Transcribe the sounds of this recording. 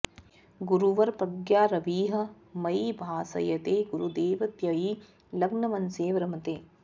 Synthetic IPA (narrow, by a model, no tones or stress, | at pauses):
ɡuɾuʋɐɾpɐɡjaːɾɐʋiːɦɐ | mɐjbʱaːsɐ̰jɐt̪eːɡuɾud̪eːʋɐt̪jɐji | lɐɡnɐmɐnseːʋɐɾɐmɐt̪eː